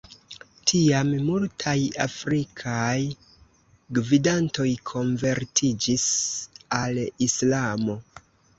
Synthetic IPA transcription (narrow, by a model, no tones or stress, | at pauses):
tʰiammultʰajafɾikʰaj | ɡvidanto̞jkʰo̞nve̞ɾtʰid͡ʒisalislamo̞